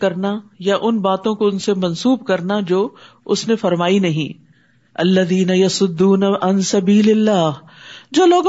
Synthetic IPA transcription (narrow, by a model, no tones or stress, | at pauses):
kɐɾnajaʔʊnbaːt̪õkoʊnsemɐ̃nsuːbkɐɾnad͡ʒoː | ʊsnefɐɾmaːinɐɦḭ̃ː | ɐlːɐðiːnɐjɐsʊd̪ːuːnaɐnsɐbiːlɪlːaːɦ | d͡ʒoːloːɡ